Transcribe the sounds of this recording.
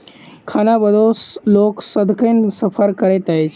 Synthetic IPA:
kʰanabəd̪ʱosloksəd̪ʱkəjnsəpʰəɾkəɽet̪aet͡ʃ

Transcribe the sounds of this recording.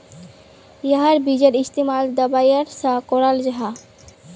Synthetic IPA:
jaɦaɾbid͡ʑeɾist̪imald̪əbajaɾsakɔɾald͡ʑaɦa

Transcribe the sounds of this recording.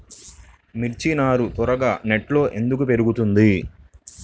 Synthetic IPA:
miɾt͡ʃinaːɾut̪ɔɾɐɡaːneʈlo̞ːʔe̞nd̪ukupe̞ɾuɡut̪und̪i

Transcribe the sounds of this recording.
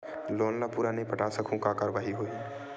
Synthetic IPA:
loːnlapuɾanɐɦĩpəʈaːsəkʰõkakaːɾʋaːɦiɦoe

